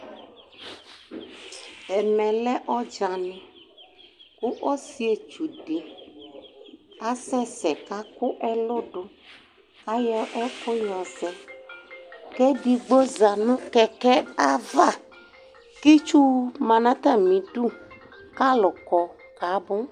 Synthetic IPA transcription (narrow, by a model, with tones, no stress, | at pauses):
ɛ˨mɛ̃˨lɛ˦ʔɔ˦d͡ʒa˨nɛ̃˨ | ku˦ʔɔ˦si˦e˨t͡ʃu˨ɖe˨ | a˦sɛ˦sɛ˨ka˦kʊ˦ʔɛ˦lo˦ɖo˦ | a˦jɛ˦ʔɔ˦ko˦jɔ˨sɛ˨ | kɛ˦ɖi˨ɡ͡bo˦za˨nũ˦kɛ˦kɛ˦a˦va˦ | ki˦t͡ʃu˦mã˨nã˦t̪a˦mĩ˨ɖu˦ | ka˦lʊ˨kɔ˨ | ka˨˦bʊ˦